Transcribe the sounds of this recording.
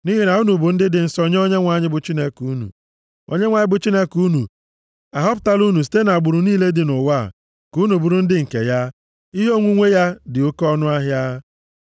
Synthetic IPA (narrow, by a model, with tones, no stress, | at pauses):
ni˦ɦi˦na˨u˦nu˨bʊ˨n̩˦dɪ˦dɪ˨n̩˨sɔ˦ɲ˦o˦ɲe˦ŋʷa˨ɲɪ˦bʊ˨t͡ʃi˦ne˦ku˨˦nṵ˨ | o̰˦ɲe˦ŋʷa˨ɲɪ˦bʊ˨t͡ʃi˦ne˦ku˦nu˨ | a˨ɦɔ˦p̬ʊ̥˨ta˦lu˦nu˨s̬i̥˨te˦na˨a˨ɡ͡bʊ˨ɾu˨niː˦le˦dɪ˨nʊ˨wa˦˨ | ku˨˦nu˨bu˨ɾu˨˦n̩˦dɪ˦ŋ̩˨kḛ˨ja˦ | i˦ɦe˦o˦ŋʷu˦ŋʷe˦ja˦dɪ˨o˦kɔ˦nʊ˦a˦ɦja˦